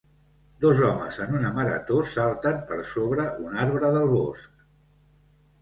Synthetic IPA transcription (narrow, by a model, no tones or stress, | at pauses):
d̪ozɔmə̰zənunəməɾə̰t̪osalˠt̪əmpəɾsoβɾəʔunaɾβɾəðəlˠβosk̚